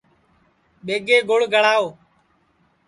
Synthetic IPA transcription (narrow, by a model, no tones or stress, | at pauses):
ɓeːɡeːɡʊɽɡʱəɽaːoː